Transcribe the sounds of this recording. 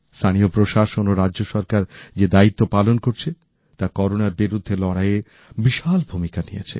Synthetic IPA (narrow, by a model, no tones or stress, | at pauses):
st̪ʰaniopɾoʃaʃonoɾadoʃɔɾkaɾd͡ʑed̪ait̪ːopalonkoɾt͡ɕʰe | t̪akɔɾonaɾbiɾud̪ʱːelɔɽaje | biʃalbʱumikanijḛt͡ɕʰḛ